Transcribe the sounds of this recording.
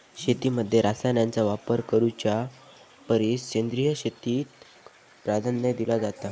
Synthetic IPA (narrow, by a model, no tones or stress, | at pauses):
ɕet̪iməd̪ʱːjeɾasanjant͡saʋapəɾkəɾut͡ɕja | pəɾisɕend̪ɾijəɕet̪iːt̪ | pɾad̪ʱanjəd̪ilad͡zat̪a